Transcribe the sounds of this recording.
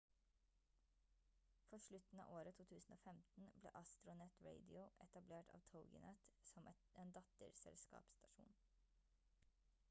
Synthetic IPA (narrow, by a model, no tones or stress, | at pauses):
fɔʃlʉt̪n̩ɑ̰ːʔoːɾət̪ʰuːt̪ʰʉːsn̩o̰ːfɛmt̪n̩blḛːʔɑst̪ɾʊnɛt̪ɹeɪd̪ɪʊʔɛt̪ɑbleːʈɑ̰ːʋt̪ʰəʊɡɪ̰nɛt̪sɔmʔɛt̪eːnd̪ɑt̪əɾsɛ̰lskɑ̰ːpst̪ɑʃṵːn